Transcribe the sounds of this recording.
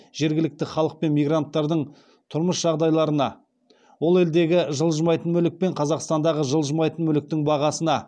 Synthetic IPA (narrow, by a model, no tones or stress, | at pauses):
ʒ̥e̞ɾɡʲɪlɪk̚t̪ɪχɑlˠəq̚pe̞nmijɡrant̪ːɑɾd̪əɴ | t̪ʰʊɾməsʒ̥ɑʁd̪ɑjlˠɑɾənɑ | wolˠe̞ld̪e̞ɡʲɪʒəlˠʒəmɑjt̪ənmɵlɪk̚pe̞ɴqʰɑzɑqst̪ɑnd̪ɑʁəʒəlˠʒəmɑjt̪ənmɵlɪk̚t̪ɪŋbɑʁɑsənɑ